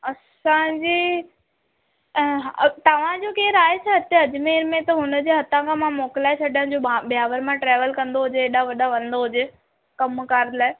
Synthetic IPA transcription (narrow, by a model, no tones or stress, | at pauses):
ɐs | ãd͡ʑiː | ɦt̪ɐʋ̤ãd͡ʑokeːɾaːɦet͡ɕʰɐɐt̪ẽɐd͡ʑʊmeːɾmẽt̪ɐɦʊnə̆d͡ʑeːɦɐt̪ãkʰãmãmoːkɪlaːet͡ɕʰɐɗəɽ̃d͡ʑoaɓijaːʋəɾmãʈɾeːʋəlkɐ̃nd̪oɦʊd͡ʑeːɗaʋɐɗaʋɐ̃n̆d̪oɦʊd͡ʑe | kɐmkaːɾd̪laːe